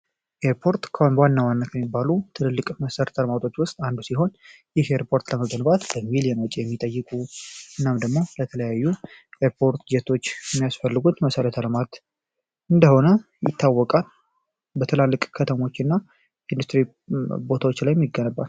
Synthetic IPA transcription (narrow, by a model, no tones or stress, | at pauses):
ʔeɾpʰo̞ɾt̪kʰəhonwanːawanːakʰəmːibːalut̪ʰɨnɨlːɨkʼməsəɾət̪ʰələmat̪ʰo̞t͡ʃːwʊst̪ʼand̪usiɦo̞n | jɪhʔeɾpʰo̞ɾt̪ləməɡənbat̪bəmilijɛnwɔt͡ʃʼijɛmːit̪ʼəjːɨkʼuʔɨnːamd̪əɡmo̞lət̪ʰələjajːuʔeɾpʰo̞ɾt̪d͡ʒɛt̪ʰo̞t͡ʃːjɛmːijasfəlːɨɡut̪məsəɾət̪ʰələmat̪ | ɨnd̪əho̞nə | jɪ̰t̪ʰːawːɔkʼal | bət̪ʰɨlalːɨkʼkʰət̪ʰəmo̞t͡ʃːɪnːa | ɪnd̪ust̪ɾi | bo̞t̪ʰawot͡ʃːlajɛmːiɡːənəbːat̪